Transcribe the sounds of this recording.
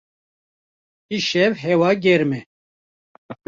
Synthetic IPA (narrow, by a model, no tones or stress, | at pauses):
iʃɛvɦɛwɑːɡɛɾmɛ